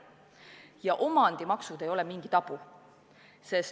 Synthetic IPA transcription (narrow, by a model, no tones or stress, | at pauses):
jɑʔo̞mɑnd̪̥imɑksud̪e̞jo̞lɛmiŋɡ̥it̪ɑpu | se̞s